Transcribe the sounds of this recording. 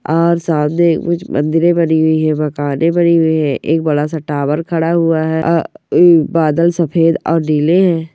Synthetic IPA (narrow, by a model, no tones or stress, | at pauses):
ɔːɾsaːmnekkʊt͡ʃmʔɐ̰̃nd̪ɪɾẽbɐniɦʊiɦɛ̃mɐkaːnẽbɐniɦʊiɦɛ̃ʔeːk̚bɐɽas̬ɐʈaːbəɾkʰɐɽaɦʊaɦɛː | baːd̪əlsɐpʰeːd̪ɔ̰ːɾniːleɦɛ̃ː